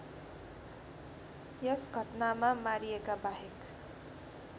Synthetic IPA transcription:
jʌsɡʱʌʈnamamaɾijekabaɦek

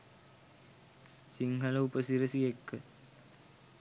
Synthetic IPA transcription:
siŋɡɐlɐupɐsiɾɐsijekːɯ

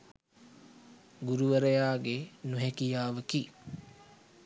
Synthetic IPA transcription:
ɡuɾuʋəɾəjaːɡenuɦekijaːʋəki

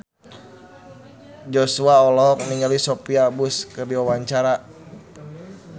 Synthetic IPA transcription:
d͡ʒɔsuaɔlɔɔk̚niɲɔlisɔpiabuskɨrdiwawaɲt͡ʃaɾa

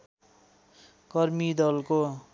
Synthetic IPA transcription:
kʌrmid̪ʌlko

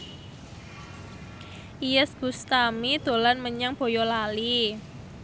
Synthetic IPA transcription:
ʔijəsɡ̥ust̪amid̪̥o̤lanməɲaŋb̥o̤jɔlali

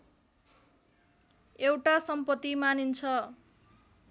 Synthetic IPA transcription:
ewʈasʌmpʌt̪ːimanint͡sʰʌ

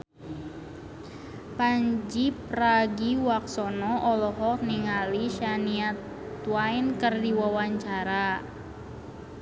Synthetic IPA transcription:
paɲd͡ʒipraɡiwak̚sɔnɔʔɔlɔɦɔk̚niŋaliʃaniat̪ | uajnkərdiwawaɲt͡ʃaɾa

